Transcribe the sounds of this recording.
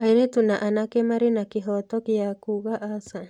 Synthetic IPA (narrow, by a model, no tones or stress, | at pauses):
aiɾetunaʔanakɛmaɾinakiɦɔtɔkiakuɣaʔasa